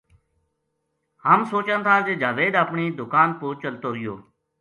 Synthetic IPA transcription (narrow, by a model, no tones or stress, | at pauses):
ɦaːmsoːt͡ʃənt̪ʰaːd͡ʒeːd͡ʒaːʋeːd̪əpɳiːd̪ʊkaːnpoːt͡ʃəlt̪oːɾɪjoː